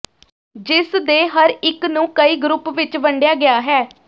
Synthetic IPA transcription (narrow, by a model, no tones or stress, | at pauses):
d͡ʒɪsd̪eːɦəɾɪknũːkəiːɡɾʊpʋɪt͡ʃʋəɳɖjaːɡɪjaːɦɛː